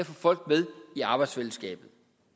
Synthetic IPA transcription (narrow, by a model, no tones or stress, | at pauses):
æfɔfɒ̽l̰ɡd̥með̞ˠiɑ̈ːb̥ɑ̈ɪd̥sfel̩sɡ̥ɛ̰ːb̥ð̩ˠ